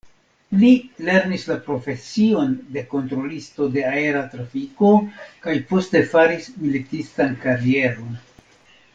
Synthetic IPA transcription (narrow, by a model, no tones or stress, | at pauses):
lile̞ɾnislapɾo̞fe̞sio̞nde̞ko̞ntɾo̞listo̞de̞ae̞ɾatɾafiko̞kajpo̞ste̞faɾismilitistankaɾie̞ɾo̞n